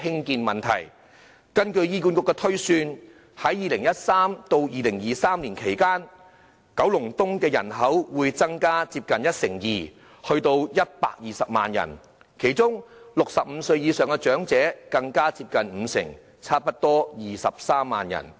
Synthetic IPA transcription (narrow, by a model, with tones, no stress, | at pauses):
hɪ˥ŋkiː˧nmɐ˨˩nt̪ʰɐ˨˩j | kɐ˥nkɵ˧ɥjiː˧k̬u˧nkʊ˧kːɛː˧t̪ʰɵ˥ɥsyː˧n | hɐ˨˥jːiː˨˧lɪ˨˩ŋjɐ˥t̚saː˥mt̪o˧wjiː˧lɪ˨˩ŋjiː˨saː˥mliː˨˩nkʰe˨˩jkaː˥n | kɐ˨˥wlʊ˨˩ŋt̪ʊ˥ŋkɛː˧jɐ̰˨˩nɦɐ˨˥wwuː˨˧jt͡sɐ˥ŋkaː˥t͡siː˧p̚kɐ˨njɐ˥t̚sɪ˨˩ŋjiː˨˩ | hɵ˧ɥt̪o˧wjɐ˥t̚pa̰ː˧k̚jiː˨sɐ˨p̚ma̰ː˨njɐ̰˨˩n | kʰe˨˩jt͡sʊ˥ŋlʊ˨k̚sɐ˨p̚m̩˨˧sɵ˧ɥjiː˨˧sœː˨ŋkɛ˧t͡ʃœː˨˥ŋt͡sɛː˨˥kɐ˧ŋkaː˥t͡si˧p̚kɐ˨nm̩˨˧sɪ̰˨˩ŋ | t͡sʰaː˥t̚pɐ˥t̚t̪ɔː˥jiː˨sɐ˨p̚saː˥mːa̰ː˨njɐ̰˨˩n